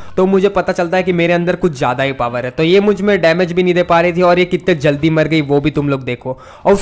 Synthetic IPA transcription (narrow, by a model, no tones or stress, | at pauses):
t̪oːmʊd͡ʒʱepɐt̪at͡ʃɐlt̪aɦɛkimeːɾeɐ̃nd̪əɾkʊt͡ʃʰzja̰ːd̪aɦipaːʋəɾɦɛt̪ojeːmʊd͡ʒʱmẽɖɛːmed͡ʒbʱinĩd̪eːpaːɾɐɦit̪ʰiɔːɾjekɪt̪ned͡ʒɐld̪imɐɾɡɐiʋoːbʱit̪ʊmloːɡ̚d̪eːkʰoː | ɔːɾʊ